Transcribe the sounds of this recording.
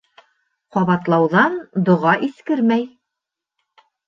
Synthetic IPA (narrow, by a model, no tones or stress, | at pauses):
qɑβɑt̪lˠɑwðɑnd̪ŏʁɑʔiskɘɾmæj